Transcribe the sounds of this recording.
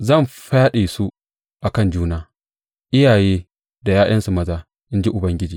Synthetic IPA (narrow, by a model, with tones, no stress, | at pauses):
zɐ˦˨mɸaː˦ɗiː˨su˦ | ʔa˨kɐ˦˨nd͡ʒuː˦naː˦ | ʔɪ˦jaː˨jeː˦ | da˨jaː˦ʔɐ˦nsu˨mɐ˦zaː˦ | ʔɪ˦nd͡ʒi˦ʔʊ˨bɐ˦ŋɡʲɪ˦d͡ʒiː˨